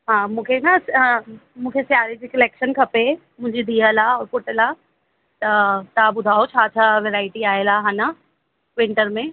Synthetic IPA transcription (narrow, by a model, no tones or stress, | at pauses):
ɦãːmũkʰenɐs | mũːkʰesjaːɾed͡ʒikɐleːkʃənkʰɐpe | mʊ̃d͡ʒʱed̪ijəlaɔːɾpʊʈəla | t̪ɐt̪abʊd̪ʱaːot͡ʃʰaːt͡ʃʰaʋeɾaːɪʈiaːelaɦana | ʋɪ̃ɳʈəɾmẽ